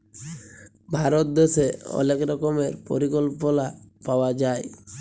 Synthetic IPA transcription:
bʱaɾot̪̚d̪eseɔ̰nekɾɔkɔmeɾpɔɾikɔlpolapaoad͡ʑae

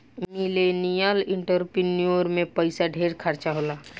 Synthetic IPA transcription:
milenijalɪ̃ɳʈəɾpɾinijoɾmẽpəɪsaɖʱeːɾkʰəɾt͡ʃaɦolaː

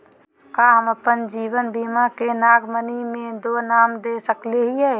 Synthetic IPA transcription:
kaːɦməpənd͡ʒiːwənbiːmakenaːɡmənimẽd̪oːnaːmd̪eːsəkleɦiɦɛː

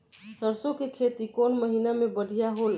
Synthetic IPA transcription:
səɾsõkekʰet̪ikonməɦinamebəɽʱijaɦol

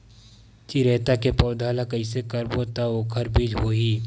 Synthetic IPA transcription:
t͡ʃiɾɛːt̪akepɔːʊd̪ʱaːlakɐisekəɾbot̪aoːkʰəɾbʱid͡ʒɦoːɦiː

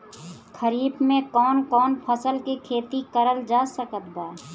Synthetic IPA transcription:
kʰəɾiːbmẽkɔːnkɔːnpʰəsəlkekʰeːt̪ikəɾəld͡ʒaːsəkət̪̚ɡaː

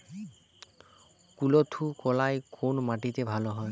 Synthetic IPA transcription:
kulot̪ʰukɔlajkʰonmaʈit̪ebʱalɔɦɔj

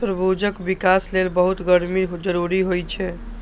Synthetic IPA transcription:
pɾəbud͡ʒəkbikaslelbəɦut̪ɡəɾmid͡ʒəɾuɾiɦojt͡ʃʰɛ

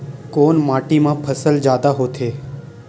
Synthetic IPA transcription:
koːnmaːʈimãpʰəsəld͡ʒjaːd̪aɦot̪ʰeː

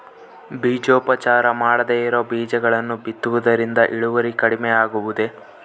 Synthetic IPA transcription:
biːd͡ʒoːpɐt͡ʃaːɾɐmaːɽɐd̪eːiɾoːbiːd͡ʒɐɡɐɭɐnːubit̪ːuʋud̪ɐɾind̪ɐʔiɭuʋɐɾikɐɽimeaːɡuʋud̪e̞

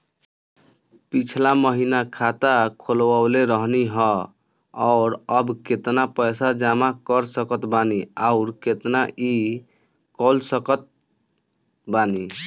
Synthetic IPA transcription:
pit͡ʃʰlaməɦinakʰat̪akʰolwaʊleɾəɦniɦɔ | ɔʊɾəbket̪napəjsad͡ʒamakəɾsəkət̪baniaʊɾket̪naʔi | kɔlsəkət̪̚ | bani

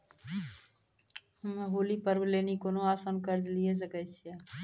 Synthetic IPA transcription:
ɦolipəɾblenikonoasənkəɾd͡ʒlijes̬əkəsʰe

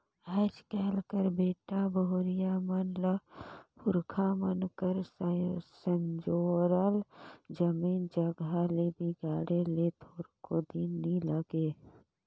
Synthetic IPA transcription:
əːd͡ʒkɛːlkəɾbeːʈabəʊɾɪjamənləpʰʊɾkʰamənkəɾssənd͡ʒoːɾəld͡ʒəmiːnd͡ʒəɡalebiɡaːɽelet̪ʰoːɾkod̪inːiləɡeː

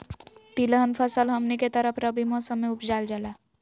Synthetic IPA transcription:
t̪ilɦənpʰəsəlɦɐmniket̪əɾəpʰɾəbʱimɔːsəmːẽʊpd͡ʒaːld͡ʒəla

